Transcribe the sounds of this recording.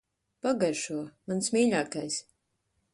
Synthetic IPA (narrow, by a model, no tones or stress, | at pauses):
paɡaɾʃuɔmansmʲiːʎʲaːkajs